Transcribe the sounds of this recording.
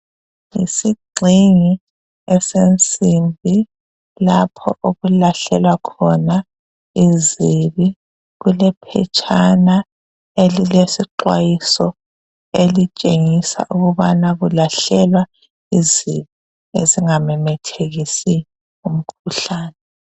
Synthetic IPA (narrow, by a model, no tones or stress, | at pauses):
ḭsiɡ͡ǀʱiŋi | ɛsent͡sʼimbʱi | lapʰɔ̰ʔoɣulaɬɛlwakʰɔna | iziβi | ɣulɛpʰɛ̰t͡ʃʼana | elilesiǃwajisɔ | elit͡ʃʼeŋisa̰ʔuɣuβanaɣulaɬɛlwa | iziβi | eziŋamɛmɛtʰeɣisi | um̩kʰuɬaːnɛ